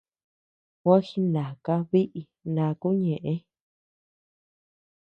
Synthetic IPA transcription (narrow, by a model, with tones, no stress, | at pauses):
wa˦xi˧nã˨ka˦βi˦ʔi˧ | nã˧ku˦ɲẽ˨ʔẽ˦